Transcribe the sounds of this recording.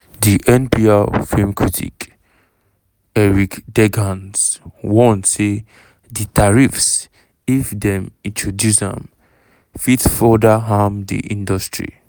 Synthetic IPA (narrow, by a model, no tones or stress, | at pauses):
diʔɛ̃npiafimkʰɹitʰḭk | ɛɹikdɛɡãnswɔ̃nse | ditaɹifs | ifdɛ̃mĩntʰɹɔdjusã̰m | fitfɔdaɦãmdḭʔĩndɔstɹḭ